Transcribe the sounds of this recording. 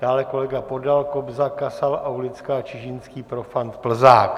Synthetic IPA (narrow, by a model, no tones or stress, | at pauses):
d̥aːlɛko̞lɛɡapo̞dalkobzakasalawlɪt͡skaːt͡ʃɪʒɪnskiːpɾo̞fant̪pl̩zaːk